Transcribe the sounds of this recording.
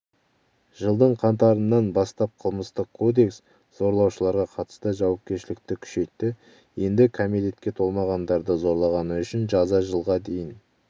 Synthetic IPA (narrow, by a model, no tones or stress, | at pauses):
ʒəlˠd̪əɴqʰɑnt̪ɑɾənːɑnbɑst̪ɑp̚qʰəlˠməst̪əqkʰːo̞d̪e̞ks | z̥o̞ɾlˠɑwʃəlˠɑɾʁɑqʰɑt̪ə̥st̪əʒɑwɑp̚kʲe̞ɾʃɪlɪk̚t̪ɪkʲʰʏ̥ʃe̞jt̪ːɪ | je̞nd̪ɪkʰomit̪e̞t̪̚kʲe̞t̪ʰo̞lˠmɑʁɑnd̪ɑɾd̪əzo̞ɾlˠɑʁɑnəʏʃɪnʒɑzɑʒəlˠʁɑd̪e̞jɪn